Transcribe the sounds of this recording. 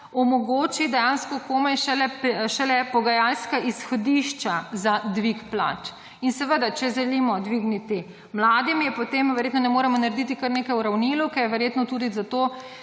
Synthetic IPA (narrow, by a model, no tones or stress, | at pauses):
ɔmɔɡoːt͡ʃid̪ɛjanskɔkoːmɛjʃɛlɛpʃɛlɛpɔɡajalskaʔisxɔd̪iʃt͡ʃazad̪ʋikpla̰t͡ʃ | insɛʋəd̪at͡ʃɛʒɛlimɔd̪ʋiɡnit̪i | mlaːd̪imjɛpot̪eːmʋɛɾjeːt̪nɔnɛmoːɾɛmɔnaɾed̪it̪ikəɾneːkajuɾawnilukɛjɛʋɛɾjeːt̪nɔt̪uːd̪izat̪o